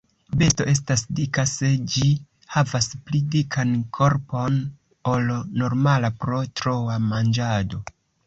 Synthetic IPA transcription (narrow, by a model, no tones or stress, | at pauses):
be̞sto̞ʔe̞s̬tasdikase̞d͡ʒi | havasplidikʰankʰo̞ɾpo̞n | o̞lno̞ɾmalapɾo̞tɾo̞wamand͡ʒado̞